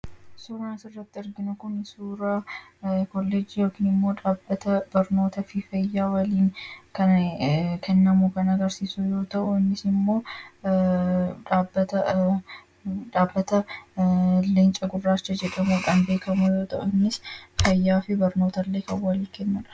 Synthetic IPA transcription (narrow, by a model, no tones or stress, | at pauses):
suːɾaːnsɪrːɐt̪ːɪɪɾɡɪnʊkʊnsuːɾɐ | kɔlːed͡ʒɪjo̞ːkiːnɪmːo̞ːᶑaːbːɐt̪ɐbɐɾno̞ːt̪ɐfɪfɐjːaːwɐliːŋkɐnkʰɛnːɐmukɐnɐɡɐɾsiːsujo̞ːt̪ɐʔʊɪnːɪsɪmːo̞ː | ᶑaːbːɐt̪ɐ | ᶑaːbːɐt̪ɐ | lɪnt͡ʃʼɐɡʊrːaːt͡ʃːɐd͡ʒɛᶑɐmuːᶑaːnbe̞ːkɐmujoːt̪ɐ̰ʔʊɪnːɪsfɐjːaːfɪbɐɾno̞ːt̪ɐlːeːkɐwɐliːkɛnːɐᶑɐ̥